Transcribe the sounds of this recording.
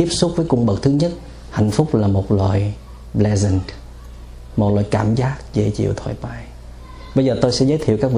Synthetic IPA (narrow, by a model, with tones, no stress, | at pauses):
t̪i˦˥əp̚sʊ˦˥k͡p̚vəː˨˦jkʊ˧ŋ͡mɓə˨˩k̚t̪ʰɨ˨˦ɲə˦˥t̚ | ha̰˧˨jŋ̟fʊ˦˥k͡p̚laː˨˩mo˨˩t̚lwa̰ː˧˨j | ɓlɛ˧zɛ˧n | mo˨˩t̚la̰ː˨jkaː˧˩mzaː˦˥k̚zə˧˩t͡ɕḭ˧˨əwt̪ʰwa̰ː˧˨˩jɓaː˧˩j | ɓə˧jzəː˨˩t̪o˧jsɛ̰˧˥zəː˨˦jt̪ʰi˧˨wkaː˦˥k̚vi˨